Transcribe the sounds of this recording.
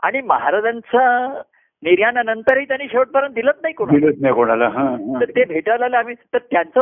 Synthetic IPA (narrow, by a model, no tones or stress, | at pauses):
a̰ɽ̃iməɦaɾad͡zant͡sə | niɾjananənt̪əɾɦiːt̪janːiːɕeʋəʈ̚pəɾənd̪ilət̪̚naɦikodɽilət̪najkoɽ̃alaɦãɦãəɾt̪ebʱeʈalaləam̤iːt̪əɾt̪jant͡sə